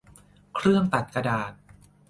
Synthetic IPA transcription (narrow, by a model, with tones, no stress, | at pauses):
kʰɾɯ˥˩əŋt̪a˨˩t̪̚ka˧daː˨˩t̪̚